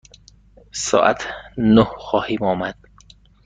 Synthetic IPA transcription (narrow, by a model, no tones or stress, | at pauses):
sɒ̰ːʔæ̰t̪ʰnohxɒːhiːmɒːmæd̪̥̚